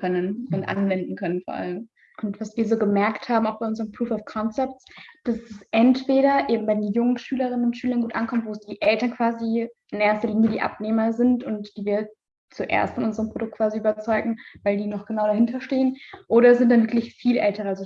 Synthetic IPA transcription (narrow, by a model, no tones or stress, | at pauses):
kʰœnənʊntʔa̰nvɛndn̩kʰœnənfoɔɐʔa̰ləm | ʔʊntv̥asv̥iːɐzoːɡəmɛɐkthaːbm̩aʊxb̥aɪʊnzəʁəmpʁ̥uːfɔfkʰɔnt͡sɛp̚tt͡sd̥asɛsʔɛntv̥eːɾɐʔeːbm̩baɪdeːnjʊŋənʃyːləʁ̞ɪnənʊntʃyːlɐnɡuːtʔankʰɔmtv̥oːsd̥iːʔɛltɐnkv̥aːziʔɪnʔeːɐstɐliːnjədiːʔa̰pneːmɐzɪntʊntd̥iːviːɐ | t͡suʔḛːɐstfɔnʔʊnzəʁəmpʁ̥odʊk̚t̚kv̥aːziʔyːbɐt͡sɔʏɡŋ̩vaɪldiːnɔχɡ̥ənaʊɾaɦɪntɐʃteːənʔoːɾɐzɪntd̥anvɪɐklɪçfiːlʔɛ̰ltəʁalzo